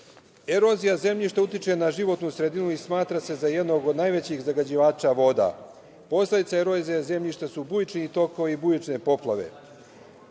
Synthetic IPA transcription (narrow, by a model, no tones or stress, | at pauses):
e̞ɾo̞zijaze̞mʎiʃt̪aut̪it͡ʃe̞naʒiʋo̞t̪nusɾe̞d̪inuismaːt̪ɾase̞zaje̞d̪no̞ɡod̪najʋe̞t͡ɕixzaɡad͡ʑiʋaːt͡ʃaʋo̞d̪a̰ | po̞sled̪it̪saeɾo̞zijaze̞mʎiʃt̪asubujit͡ʃniːt̪o̞ko̞ʋiibujit͡ʃnepo̞plˠaʋe̞̰